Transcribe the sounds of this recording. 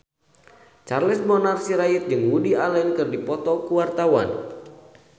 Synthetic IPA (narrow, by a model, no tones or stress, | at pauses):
t͡ʃarlɛsmɔnarsiɾait̪̚d͡ʒɨŋwudialɛnkɨrdipɔt̪ɔkuwart̪awa̰n